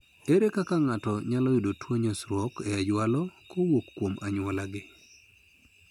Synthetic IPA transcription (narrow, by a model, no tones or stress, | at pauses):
eɾekakaŋatɔɲalɔjudotwoɲasɾwɔkɛad͡ʒwalɔkowokːwomʔaɲwɔlaɡɪ